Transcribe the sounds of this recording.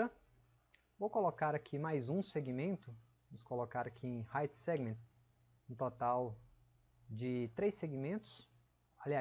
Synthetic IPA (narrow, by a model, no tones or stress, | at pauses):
ɐ | vowkolokaɾakʰimajzũseɡimẽnt̪ʊ | nʊskolokaɾakʰiẽj̃hajt͡ʃsɛɡmẽnt̪ | ʊ̃t̪ot̪aw | d͡ʒɪt̪ɾejseɡimẽnt̪ʊ̥s | alia